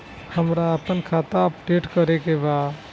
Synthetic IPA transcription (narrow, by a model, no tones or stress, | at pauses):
həmɾaəpənkʰaːt̪aəpɖeʈkəɾekeba